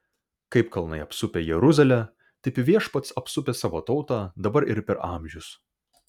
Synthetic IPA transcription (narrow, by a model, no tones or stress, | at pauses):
kɐɪpkʰɐlˠnɐ̰ɪɐpsʊpʲeːjɛɾʊzɐlʲɛ | t̪ɐɪpʲʋʲiɛʃpɐt̪sɐpsʊpʲɛːsɑːʋoːt̪ɒʊt̪ɑːd̪ɐbɐɾɪ̰ɾpʲɛɾɑːmʲʒʲʊs